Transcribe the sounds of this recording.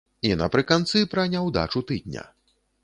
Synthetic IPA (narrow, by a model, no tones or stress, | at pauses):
inɐ̰pɾɨkant̪sɨpɾɐnʲawd̪a̰t͡ʂut̪ɨd̪̚nʲɐ̰